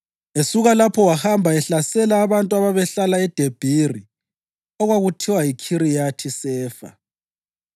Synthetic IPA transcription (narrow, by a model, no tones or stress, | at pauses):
esuɣalapʰɔwahambʱaɛɬasɛlaːβantʼuaβaβɛɬalaɛd̥ʱeb̥ʱiri | ɔɣwaɣutʰiwajikʰirijatʰisɛːfa̰